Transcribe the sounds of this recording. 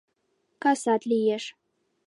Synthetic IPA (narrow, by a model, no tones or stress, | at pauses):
kasat̪lijɛʂ